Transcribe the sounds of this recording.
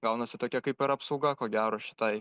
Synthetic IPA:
ɡɐʊnɐsʲɪt̪oːkʲɛkɐɪpɪɾɐpsɐʊɡɐkoːɡʲæːɾoːʃʲɪ̥t̪ɐɪ

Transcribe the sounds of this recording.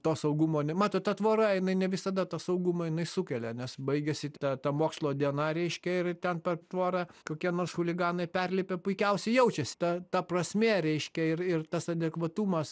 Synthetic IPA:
t̪oːsɐʊɡumoːnʲɛmɑːt̪oːtt̪ɐt̪ʋoːɾɐjɪnɐɪnʲɛʋʲɪsɐd̪ɐt̪ɐsɐʊɡumɐjɪnɐɪsʊkʲɛlʲɛnʲɛsbɐɪɡʲɛsʲɪt̪ɐt̪ɐmoːkslˠoːd̪ʲiɛnɐɾʲɛɪʃʲkʲɛɪrt̪ʲɛnpʲɛrt̪ʋoːɾɐkoːkʲiɛnoːrsxʊlʲɪɡɑːnɐɪpʲɛrʲlʲɪpʲepʊɪkʲɛʊsʲɛɪjɛʊt͡ʃʲɛsʲɪ̥t̪ɐt̪ɐprɐsʲmʲeɾʲɛɪʃʲkʲɛɪrɪrt̪ɐsɐd̪ʲɛkʋɐt̪uːmɐs

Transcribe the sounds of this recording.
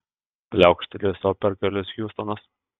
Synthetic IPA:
pʲlʲæˑʊkʃʲt̪ʲɛlʲesoːpʲɛɾʲkʲɛlʲʊsjʲuːst̪ɔnɐs

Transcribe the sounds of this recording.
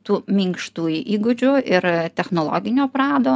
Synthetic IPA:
t̪uːmʲiŋkʃt̪uːjʔiːɡʊd͡ʒʲʊʔɪrt̪ʲɛxnoːlˠo̰ːɡʲɪnʲoːpɾɑːd̪oː

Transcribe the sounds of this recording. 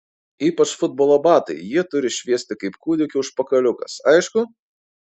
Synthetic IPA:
iːpɐt͡ʃfʊd̪̚boːlˠoːbɑːt̪ɐ̰ɪjiɛt̪ʊɾʲɪʃʲʋʲiɛsʲt̪ʲɪkɐɪpkuːd̪ʲɪkʲʊʊʃpɐkɐlʲʊkɐsɐɪʃkʊ

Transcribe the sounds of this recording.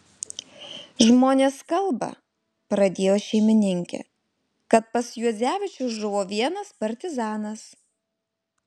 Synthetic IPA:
ʒmoːnʲeːskɐlˠˑbɐ̰ | pɾɐd̪ʲeːjoːʃʲɛɪmʲɪnʲɪŋʲkʲɛ̰ | kɐt̪̚pɐsjuɔzʲæːʋʲɪt͡ʃʲʊʒʊʋoːʋʲiɛnɐspɐɾʲt̪ʲɪzɑːnɐs

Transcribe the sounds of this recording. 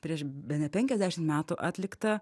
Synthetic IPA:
pʲɾʲiɛʃbʲɛnʲɛpʲɛŋʲkʲɛzʲd̪ʲæːʃʲɪmt̪mʲæːt̪uʔɑːt̪ʲlʲɪkt̪ɐ

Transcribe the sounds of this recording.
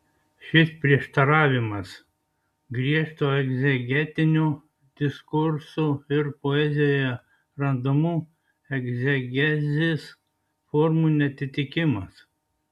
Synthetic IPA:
ʃʲɪspʲɾʲiɛʃt̪ɐɾɑːʋʲɪmɐs | ɡɾʲiɛʃt̪oːɛɡzʲɛɡʲɛt̪ʲɪnʲu | d̪ʲɪskʊɾsuɪɾpoɛzʲɪjoːjɛ | ɾɐnd̪omuː | ɛɡzʲɛɡʲɛzʲes | fɔɾmunʲɛt̪ʲɪt̪ʲɪkʲɪmɐs

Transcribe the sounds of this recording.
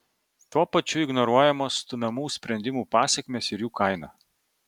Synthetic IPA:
t̪uɔpɐt͡ʃʲʊɪɡnɔɾuɔjɛmoːst̪ʊmʲɛmuːsʲpʲɾʲɛnʲd̪ʲɪmuːpɑːsʲɛkʲmʲeːsɪɾjuːkʰɐɪnɑ̰ː

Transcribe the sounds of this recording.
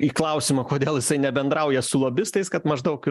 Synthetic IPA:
iːklˠɐʊsʲimɐkoːd̪ʲeːlˠjɪsɐɪnʲɛbʲɛnd̪ɾɐʊjɛsʊlˠoːbʲɪst̪ɐɪskɐt̪mɐʒd̪ɐʊk

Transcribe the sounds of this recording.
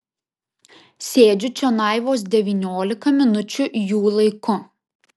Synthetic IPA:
sʲeːd͡ʒʲʊt͡ʃʲɛnɑˑɪʋoːs̬d̪ʲɛʋʲiːnʲoːlʲɪkɐmʲɪnʊt͡ʃʲʊʔjuːlˠɐɪkʊ

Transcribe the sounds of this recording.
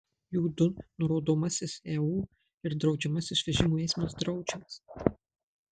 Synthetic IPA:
juːd̪ʊnʊɾoːd̪oːmɐsʲɪsɛːuː | ɪɾd̪ɾɒʊd͡ʒʲɛmɐsʲɪsʋʲɛʒʲɪmuːɛːsʲmʲɪosd̪ɾɒʊd͡ʒʲɛs

